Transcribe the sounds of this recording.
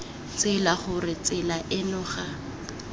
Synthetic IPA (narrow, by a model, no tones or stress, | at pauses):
t͡sɪlaχʊrɪt͡sɪlaʔɪnʊχa